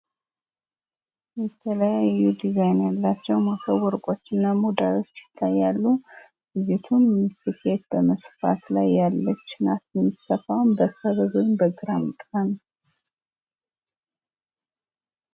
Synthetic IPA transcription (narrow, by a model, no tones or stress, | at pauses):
jɛt̪ʰələjajːud̪izajnjalːat͡ʃːɛwmasəwɔɾkʼo̞t͡ʃːɨnːamud̪alo̞t͡ʃːjɪt̪ʰːajːalːu | ɡɨd͡ʒɪt̪ʰunmɨsɨkʰe̞t̪̚bəməsfa̰t̪lajːalːət͡ʃːɪnat̪ɛmːisəfawnbəsəβəzonbəɡɨɾamt̪ʼhan